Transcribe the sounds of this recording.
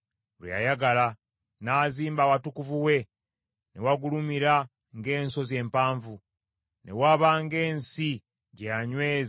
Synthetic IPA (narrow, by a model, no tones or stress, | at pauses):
lwḛja̰jaɡala | naːziːmbawatukuvuwe̞ | newaɡulumiɾa | ŋɡe̞ːnso̞zje̞ːmpaːɱvu | nʔe̞̰waβaŋɡe̞ːnsi | ɟejaɲweːz